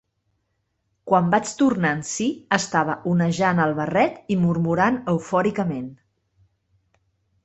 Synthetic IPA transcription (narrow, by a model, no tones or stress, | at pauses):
kwambat͡ʃt̪urnansiəst̪aβ̞əʔunəʒanəlˠβərɛt̪imurmuɾanəwfɔɾikəmen